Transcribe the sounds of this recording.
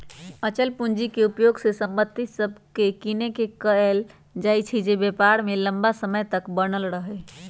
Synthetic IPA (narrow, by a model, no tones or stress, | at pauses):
ət͡ʃəlpund͡ʒikeupjoɡsesəmbət̪ːisəbʱkekinekekəel | d͡ʒajt͡ʃʰid͡ʒebepaɾmeləmbasəməjt̪əkbənəlɾəɦɛ